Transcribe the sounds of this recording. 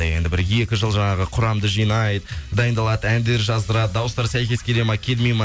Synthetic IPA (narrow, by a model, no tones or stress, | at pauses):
je̞nd̪ɪbɪɾje̞kʲɪʒəlˠʒɑɴɑʁəqʰʊɾɑmd̪əʒijnɑjd̪əd̪ɑjənd̪ɑlˠɑd̪əænd̪e̞ɾʒɑzd̪əɾɑd̪əd̪ɑwəst̪ɑɾsæjkʲe̞skʲʰelemɑkʲʰe̞lmejmɑ